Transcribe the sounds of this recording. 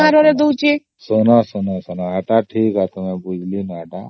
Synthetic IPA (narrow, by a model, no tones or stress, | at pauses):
aɾoɾed̪owt͡ʃe | sənasənasənaɦaʈaʈʰiːkat̪əmebud͡ʒʱlinaʈa